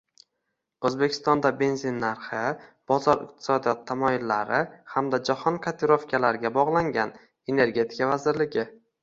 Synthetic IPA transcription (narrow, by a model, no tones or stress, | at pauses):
ɵzbe̞kʲʰɪ̥st̪ɒnd̪abe̞nzinːaɾχɪb̥ɒzɒɾɪ̰q̚t̪ʰɪ̥sɒd̪ijɒt̪ʰːamɒjɪlːaɾɪhamd̪ad͡ʒahɒnkʰat̪ʰeɾofkʲʰalaɾɪɡʲabɒʁlˠaŋɡʲan | e̞ne̞ɾɡʲe̞t̪ʰɪ̥kavazɪɾlɪɡʲɪ